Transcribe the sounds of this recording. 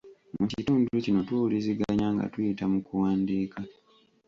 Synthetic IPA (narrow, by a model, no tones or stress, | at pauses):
mucituːnduɾucino̞twoːwuliziɡaɲaːŋɡa̰tujitamukuwaːndiːka